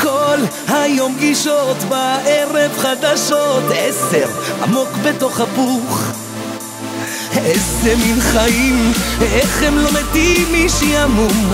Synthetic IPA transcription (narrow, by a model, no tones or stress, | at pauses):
kol | hajo̞mɡiʃot̪baʔeʁevχad̪aʃot̪ʔeseʁha̰mo̞kbet̪o̞χhapuχ | eseminχaimeχemlomet̪imːiʃijamum